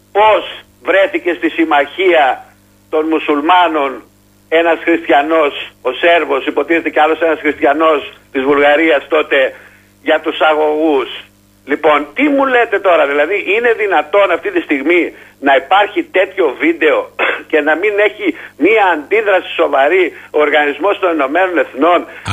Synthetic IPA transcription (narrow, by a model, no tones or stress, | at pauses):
po̞z | vɾe̞θice̞st̪isimɐçiɐ | t̪o̞nmusulmɐno̞n | e̞nɐsxɾist̪çɐno̞so̞se̞ɾvo̞sipo̞t̪iθet̪e̞cealo̞se̞nɐsxɾist̪çɐno̞st̪izvulɣɐɾiɐst̪o̞t̪e̞ | ʝɐt̪usɐɣo̞ɣus | lipo̞nt̪imule̞t̪e̞t̪o̞ɾɐðilɐðiʔine̞ðinɐt̪o̞nɐft̪it̪ist̪iɣminɐipɐɾçit̪e̞t̪ço̞vid̪e̞o̞ce̞nɐmine̞çimiɐːnd̪iðɾɐsi̥so̞vɐɾioɾɣɐnizmo̞st̪o̞neno̞me̞no̞ne̞θno̞n